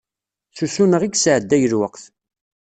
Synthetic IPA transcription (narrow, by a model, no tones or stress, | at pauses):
susunəʁiɡsʕəd̪ːæjəlwəqθ